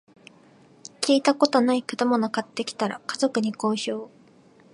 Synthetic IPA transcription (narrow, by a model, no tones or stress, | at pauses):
kʲiːt̪ako̞t̪o̞naikɯ̟d̪amonokat̪ːe̞kʲi̥t̪aɾa̰kazo̞kɯ̟ɲ̟iko̞ːɕo̞ː